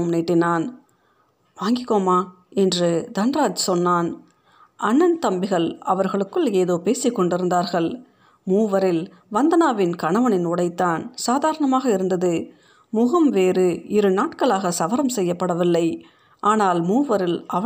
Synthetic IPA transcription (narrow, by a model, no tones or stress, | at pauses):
mneːʈːɪnaːn | ʋaːŋɡɪkːoːmaː | ɛndrɯd̪ɐnɾaːt͡ʃsɔnːaːn | ʔɐnːɐnt̪ɐmbɪɣɐɭɐʋɐɾɣɐɭɯkːɯɭeːðoːpeːsɪkːɔɳɖɪɾɯnd̪aːɾɣɐɭ | muːʋɐɾɪl | ʋɐnd̪ɐnaːʋɪnkɐɳɐʋɐnɪnʊɽɐɪt̪ːaːnsaːðaːɾɐɳɐmaːɣɐɪɾɯnd̪ɐðɯ | mʊɣɐmʋeːɾɯɪɾɯnaːʈkɐɭaːɣɐsɐʋɐɾɐmsɛjːɐpːɐɽɐʋɪlːɐɪ | ʔaːnaːlmuːʋɐɾɪlɐ